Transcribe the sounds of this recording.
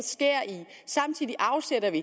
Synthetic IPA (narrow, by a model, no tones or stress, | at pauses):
sɡ̥e̝ɐ̰i | sɑ̈m̰t͡sʰið̰ˠiʔɑ̈ʊseɾ̥ɐʋi